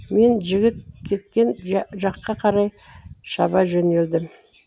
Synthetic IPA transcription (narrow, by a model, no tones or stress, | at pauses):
me̞nʒɪɡʲɪt̪̚kʲʰe̞t̪kʲe̞nʒɑqːɑqʰɑɾɑj | ʃɑbɑʒɵne̞ld̪ɪm